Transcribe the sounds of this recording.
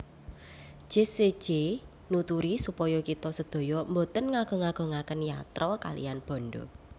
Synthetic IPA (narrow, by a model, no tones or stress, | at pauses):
ʒ̥ese̥d͡ʒ̥e | nut̪uɾisupɔjɔkit̪ɔsəd̪̥o̤jɔmbot̪ənŋaɡ̥o̤ŋaɡ̥o̤ŋakənjat̪ɾɔka̰lḭjanb̥ɔ̤nɖo̰